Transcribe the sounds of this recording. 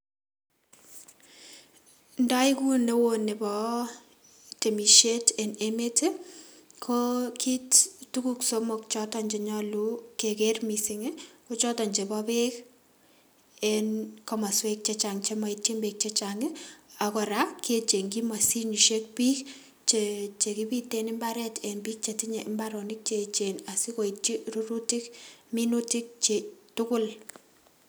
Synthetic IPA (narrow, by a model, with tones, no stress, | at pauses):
nda˦ɪ˦ku˦ne˦wo˦nɪ˨bɔ˦ | te˨mi˨ʃe˦te˨ne˦me˦te˦ | kʰo˦kʰi˦ttu˦ku˦kso˦mo˨k̚t͡ʃɔ˦tɔ˨ɲd͡ʒe˨ɲɔ˦lu˦ke˨ke˦rmi˨sɪ˨ŋɪ˦ko˦t͡ʃɔ˦tɔ˨ɲd͡ʒe˨bɔpe˦k | e˦nkɔma˨swek̚t͡ʃet͡ʃa˨ŋt͡ʃema˨i˦t̚t͡ʃe˦mbek̚t͡ʃe˦t͡ʃaŋɪ˦a˨kɔ˨ɾa˦ke˦t͡ʃe˨ŋki˦ma˨si˦ɲu˨ʃe˦k̚pi˦k | t͡ʃt͡ʃe˨ki˦pi˦tenɪ˦mba˦ɾɛ˦te˨nbiː˦k̚t͡ʃe˨ti˦ɲe˨ʔɪ˦mbaɾo˨nɪ˦k̚t͡ʃe˨t͡ʃena˨si˦ko˨i˨t͡ʃi˦ru˦ɾu˦ti˦kmi˦nu˦ti˦k̚t͡ʃe˨tʊkʊ˦l